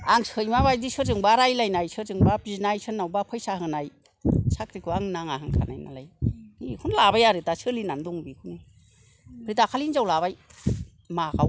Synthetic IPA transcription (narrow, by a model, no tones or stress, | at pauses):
aŋsɯjmaβajdisɯzɯŋbaɾajlajnajsɯzɯŋbapɾiznajsʰɯnːawbapʰɔjsaɦɯnaj | sakɾikʰɯaŋnaŋaɦaŋkʰa̰na̰jna̰la̰jikʰunlabajaɾɯtasɯlinandɔŋbikʰuni | pʰɾitakʰalinzawlaβaj | makʰaw